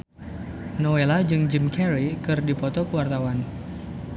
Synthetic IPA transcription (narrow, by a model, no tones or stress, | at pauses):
nowelad͡ʒɨŋd͡ʒimkɛɾikɨrdipɔt̪ɔkuwart̪awan